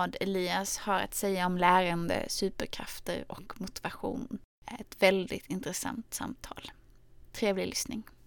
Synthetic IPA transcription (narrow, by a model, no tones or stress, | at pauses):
d̪ɛliːashaɾa̰t̪sɛjːaɔmlæːɾənd̪ə̰sʉ̟ːpəɾkʰɾa̰ft̪ə̰ɾɔkmʊt̪ɪvaɧṵːnɛt̪vɛld̪ɪt̪ɪnt̪ɾəsa̰nt̪sa̰mt̪ʰɑ̰ːl | t̪ʰɾeːvlɪlʏsnɪŋ